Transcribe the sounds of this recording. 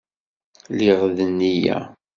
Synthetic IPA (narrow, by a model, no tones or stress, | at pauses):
liʁðənːijæ̰